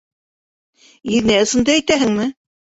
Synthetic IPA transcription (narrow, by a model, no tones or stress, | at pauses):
iðnæɤ̆sɤ̆nd̪ɑæjt̪æɦɘŋmɘ